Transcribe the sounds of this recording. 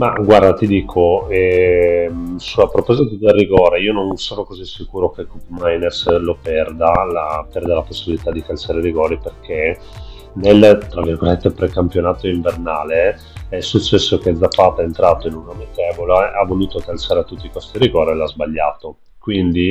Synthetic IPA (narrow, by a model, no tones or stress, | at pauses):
maɡward̪at̪id̪iːkʰoɛ | sulapɾopɔːzit̪ad̪elːiɡɔːɾeiːononsoːnokozisikuːɾokekupmajnerslopɛrd̪alapɛrd̪alaposːibilit̪ad̪ikalt͡ʃaːɾeɾiɡɔːɾiperkʰe | nelt̪ɾavirɡolet̪ːepɾekampjonaːt̪oiɱvernaːle | ɛsut͡ʃːɛsːok̟ed̪zapːaːt̪aɛːnt̪ɾaːt̪oinunamet̪ɛːvolaʔavoluːt̪okalsaːɾet̪ut̪ːikwest̪iɾiɡɔːɾelazbaʎːaːt̪o | kwind̪i